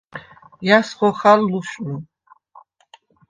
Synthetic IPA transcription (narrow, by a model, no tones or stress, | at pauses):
jasχɔχalːuʃu